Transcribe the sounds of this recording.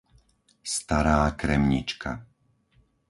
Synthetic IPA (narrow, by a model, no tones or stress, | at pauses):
st̪aɾaːkɾɛmɲḭt͡ʃka